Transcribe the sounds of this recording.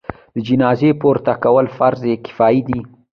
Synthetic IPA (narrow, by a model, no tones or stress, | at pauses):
d̪̥əd͡ʒɪnɑzepoɾt̪akawəlfaɾzekɪ̥fɑid̪i